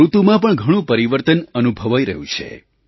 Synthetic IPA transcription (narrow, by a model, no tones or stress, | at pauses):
ɾut̪umãpəɳɡʱəɽ̃ũpəɾiʋəɾt̪ənənubʱəʋajɾə̰ɦjũt͡ʃʰḛ